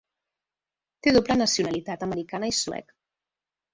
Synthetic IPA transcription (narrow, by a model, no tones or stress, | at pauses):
t̪eðoplənəsiunəlit̪at̪əməɾikanəisuɛ̰k